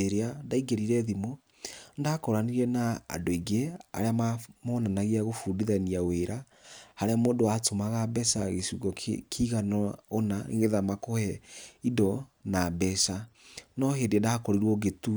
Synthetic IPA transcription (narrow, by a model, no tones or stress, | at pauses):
eɾeandaiɡeɾiɾɛðimo | ndaːkɔɾaniɾiɛna̰ːdoiɡea̰ɾeamamɔnanaɣiaɣofuːdiðaniaweɾa | haɾeamoːdoatomaɣabɛsaɣesuɣɔkʰiɣanɔonaḛɣeðamakohɛidɔnabɛsanɔɦendendahakɔɾiɾwɔɡetu